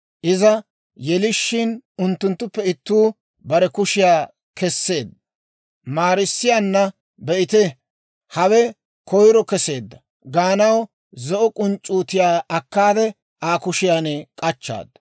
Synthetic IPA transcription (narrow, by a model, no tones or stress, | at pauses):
ʔɪzɐ | jɛlɪʃːɪnʊnt̪ːʊnt̪ːʊpːɛɪt̪ːuː | bɐɾɛkʊʃɪjaː | kɛsːe̞ːd̪ | maːɾɪsːɪjaːnːɐ | bɛʔɪt̪ɛ | hɐwɛ | kɔjɾɔkɛse̞ːd̪ːɐ | ɡaːnɐw | zɔʔɔkʼʊnt͡ʃʼːuːt̪ɪjaːɐkːaːd̪ɛ | aːkʊʃɪjaːnɛkʼɐt͡ʃːa̰ːd̪ɐ